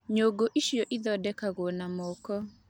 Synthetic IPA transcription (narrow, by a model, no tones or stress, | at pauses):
ɲoɡoʔiʃioʔid̪ɔdɛkaɣonamokɔ